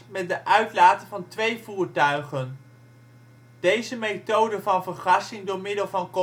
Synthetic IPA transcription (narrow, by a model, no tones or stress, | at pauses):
mɛt̚dəʔœɥtlaːtəvɑntʋejvuːɹtœɥχən | d̥ejzəmejtowdəvɑnvəɹχɑsɪŋdʊːɹmɪdəlˠvɑnko